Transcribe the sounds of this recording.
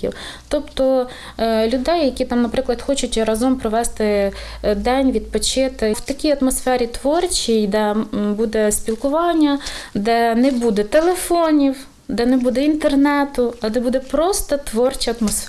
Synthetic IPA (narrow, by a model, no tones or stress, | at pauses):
ḭwt̪ɔpt̪ɔ | lʲʊd̪ɛjːɐkʲit̪ɑmnɐpɾɪklˠɐd̪xɔt͡ʃʊtʲɾɐzɔmpɾɔʋɛst̪ɪ | d̪ɛnʲʋʲid̪̚pɔt͡ʃɪt̪ɪwt̪ɐkʲijɐt̪mɔsfɛɾʲit̪ʋɔrt͡ʃʲijd̪ɛbud̪ɛspʲilˠkʊʋɑnʲːɐd̪ɛnɛbud̪ɛt̪elˠefɔnʲiw | d̪ɛnɛbud̪ɛint̪ernɛt̪ʊɐd̪ɛbud̪ɛpɾɔst̪ɐt̪ʋɔrt͡ʃɐɐt̪mɔsf